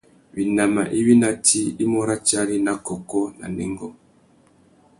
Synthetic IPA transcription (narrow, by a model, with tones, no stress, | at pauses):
bi˨na˨ma̰˨ʔi˦βi˦na˦ti˦i˦mɔ˦ɾa˦t͡ʃa˦ɾi˦na˦kɔ˨kɔ˦na̰˨nɛ˨ŋɡɔ˦